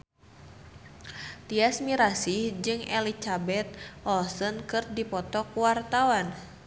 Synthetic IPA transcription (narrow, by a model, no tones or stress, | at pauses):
t̪iasmiɾasihd͡ʒɨŋɛlit͡ʃabɛt̪̚ɔlsɔnkɨrdipɔt̪ɔkuwart̪awan